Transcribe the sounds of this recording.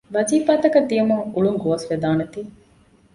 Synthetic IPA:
ʋɐziːfaːt̪ɐkɐd̪ːijɐmuŋuɭuŋɡoʋːsʋed̪aːnet̪iː

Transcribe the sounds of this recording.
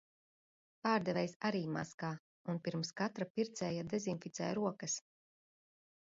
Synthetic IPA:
paːɾd̪ɛvɛjsaɾiːma̰skaː | unpiɾmskat̪ɾapiɾt̪sɛjad̪ɛzinfit̪ɛ̰ːjɾuɔkɐs

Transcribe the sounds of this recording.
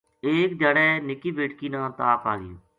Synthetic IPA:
eːkd͡ʒ̪aːɽɛːnɪkːiːbeːʈkiːnãːt̪aːpaːɡɪ̰jõ̰ː

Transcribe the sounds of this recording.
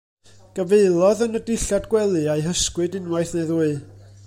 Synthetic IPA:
ɡ̥əveɨlˠɔðənədɪɬadɡwɛlˠɨajɦəskwɨdɪnwajθnejðuɨ

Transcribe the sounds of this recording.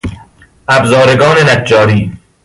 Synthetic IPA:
ʔæbzɒːɾeɡɒːnenæd͡ʒːɒːɾiː

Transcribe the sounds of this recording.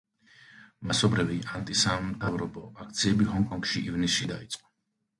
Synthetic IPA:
masɔbɾɛvɛant̪ʼisamt̪ʰʼavɾɔpʼɔʔak̚t̪sʰiɛbiɦɔŋkʼɔŋkʃiʔivniʃid̪ait̪sʼqʼɔ̥

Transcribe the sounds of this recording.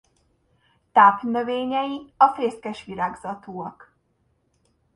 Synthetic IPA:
t̪aːpnøveːɲɛjiɒfeːskɛʃʋiɾaːɡzɒt̪oːɒk

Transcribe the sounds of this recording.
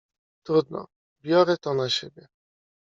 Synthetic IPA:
t̪ɾud̪nɔ̰ | bʲjɔɾɛt̪ɔnaɕebʲjɛ

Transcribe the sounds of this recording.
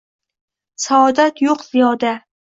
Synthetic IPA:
saːd̪at̪joqz̥ijɒd̪a

